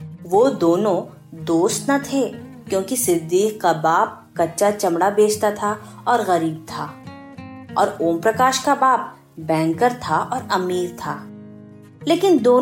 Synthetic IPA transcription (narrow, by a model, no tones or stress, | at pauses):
ʋod̪oːnõ | d̪oːst̪nat̪ʰekjõːkisɪd̪iːqkabaːp̚ | kɐtːʃat͡ʃɐmɽabeːt͡ʃt̪at̪ʰaɔːɾɣɐɾiːb̚t̪ʰaː | ɔ̰ːɾoːmpɾɐkaːʃkabaːp̚ | bɛ̃ːŋkəɾt̪ʰaʔɔːɾɐmiːɾt̪ʰaː | leːkɪnd̪oː